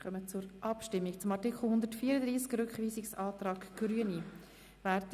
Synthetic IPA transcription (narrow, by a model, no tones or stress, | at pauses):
χœmət͡sʊɾʔɑpʃtɪmːikt͡sʊmɑtikχl̩ˠhʊnd̪ətfiːəɾəd̪ɾiːskɾʏkχviːsɪksɑːt̪rɑːɡɡ̥ɾyəni | væɾt